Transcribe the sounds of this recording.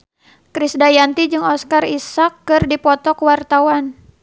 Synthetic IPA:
kɾisdajant̪id͡ʒɨŋɔskarisakːɨrdipɔt̪ɔkwart̪awan

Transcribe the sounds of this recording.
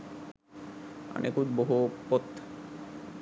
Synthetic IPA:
a̰nʔekud͡ʑboɦupot̪

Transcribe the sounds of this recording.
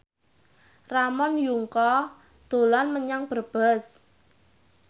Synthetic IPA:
ramɔnjuŋkɔ | d̪̥o̤lanməɲaŋb̥ərb̥ə̤s

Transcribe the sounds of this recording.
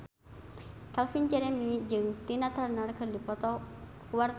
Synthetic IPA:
kalfind͡ʒɛɾɛmid͡ʒɨŋt̪inat̪arnarkərdipɔt̪ɔ | kuwar

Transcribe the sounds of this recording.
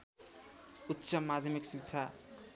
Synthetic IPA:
utːsʌmad̪ʱjʌmiksitːt͡sʰa

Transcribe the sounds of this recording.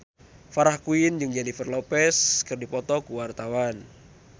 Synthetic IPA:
faɾahkuind͡ʒɨŋd͡ʒanifərlɔpɛskɨrdipɔt̪ɔkuwart̪awan

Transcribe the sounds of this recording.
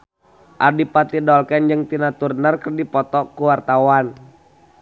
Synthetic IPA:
ʔadipat̪idɔlkɛnd͡ʒəŋt̪inat̪urnərkərdipɔt̪ɔkuwart̪awan

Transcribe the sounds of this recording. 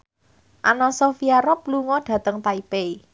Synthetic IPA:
ʔanɔsofiaɾɔpluŋɔɖ̥ä̤t̪əŋt̪aipe

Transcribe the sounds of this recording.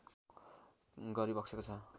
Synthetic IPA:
ɡʌɾibʌksʰekot͡sʰʌ

